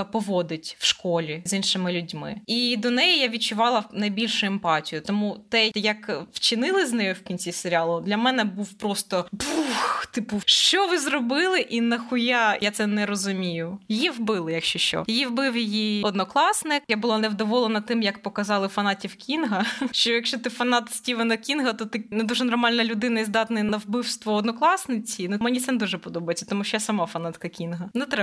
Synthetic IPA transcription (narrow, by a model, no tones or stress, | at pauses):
pɔʋɔd̪ɪtʲwʃkɔlʲizinʃɪmɪlʲʊdʲmɪ̰id̪ɔnɛjijaʋʲid̚t͡ʃʊʋɑlˠɐnɐjbʲilʲʃʊɛmpɑtʲijʊt̪ɔmut̪ɛjɐkwt͡ʃɪnɪlˠɪzʲnɛjʊwkʲinʲt͡sʲiseɾʲɪɑlˠʊd̪lʲɐmɛnɛbuwpɾɔst̪ɔbuxt̪ɪpʊʃt͡ʃɔʋɪzrɔbɪlˠɪʔinɐxʊjajat̪sɛnɛɾɔzʊmʲijʊjjiwbɪlˠɪjɐkʃt͡ʃɔʃt͡ʃɔ̰jiwbɪwjɪjiɔd̪nɔklˠɑsnɪkjabʊlˠanɛwd̪ɔʋɔlˠenɐt̪ɪmjɐkpɔkɐzɑlˠɪfɐnɑtʲiwkʲinɦɐʃt͡ʃɔjɐkʃt͡ʃɔt̪ɪfɐnɑt̪sʲtʲiʋɪnɐkʲinɦɐt̪ɔt̪ɪnɛd̪uʒɛnɔrmɑlʲnɐlʲʊd̪ɪnɐizd̪ɑt̪nɪjnɐwbɪwst̪ʋɔːd̪nɔklˠɑsnɪt͡sʲinumɛnʲit̪sʲɛnɛd̪uʒɛpɔd̪ɔbɐjet͡sʲːɐ̥t̪ɔmuʃt͡ʃɔjasɐmɑfɐnɑt̪kɐkʲinɦɐnɛt̪ɾɛ